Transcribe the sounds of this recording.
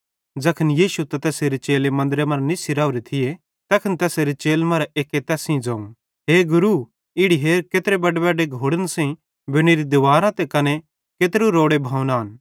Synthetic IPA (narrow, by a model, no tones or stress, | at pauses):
d͡ʒɐkʰənjiːsut̪ɐt̪ɛːseɾet͡ʃeːlemɐ̃nd̪ɾemɐɾnisɪɾaːuɾet̪ʰɪje | t̪ɐkʰənt̪ɛːseɾet͡ʃeːlmɐɾaʔeːket̪ɛːsĩd͡zaːũ | ɦeːɡʊɾu | ɪɽiɦeːɾkeːt̪ɾebɐɖbɛːɖeɡʱoːɽənsẽ | bɪɽ̃eɾid̪ʊʋaːɾãt̪ekɐne | ket̪ɾuɾoːɽebʱaːunaːn